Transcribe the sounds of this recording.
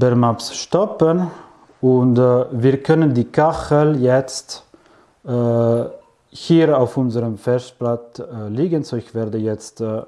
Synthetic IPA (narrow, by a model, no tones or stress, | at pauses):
bɛʁmapsʃtɔpən | ʊntviːɐkʰœnəndiːkʰaχəljɛt͡stː | hiːʁaʊfʊnzəʁəmfɛst̚plat͡sliːɡənzoːɪçv̥ɛːʁdəjɛt͡stː